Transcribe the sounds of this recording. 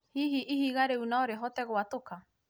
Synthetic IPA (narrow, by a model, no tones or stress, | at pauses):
hiɦiʔihiɣaɾeunaoɾeɦot̪eɣowat̪oka